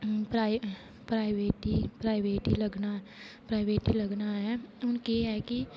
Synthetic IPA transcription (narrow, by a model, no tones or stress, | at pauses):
pɾaɪ | pɾaːɪʋeːʈipɾaːɪʋeːʈilɐɡna | pɾaːɪʋeːʈilɐɡnaɦɛʊnkeɦɛki